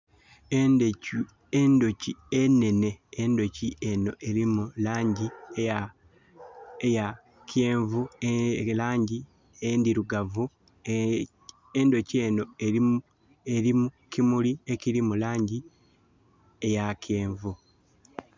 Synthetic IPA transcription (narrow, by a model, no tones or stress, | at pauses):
endocienːe̞ne̞ːndo̞ciʔe̞no̞ʔe̞ɾimulaːɲɟi | eja | kjeːɱvulaːɲɟi | endiɾuɡavu | endo̞cie̞no̞e | eɾimukimulieciɾimulaːɲɟi | ejakʰeːɱvu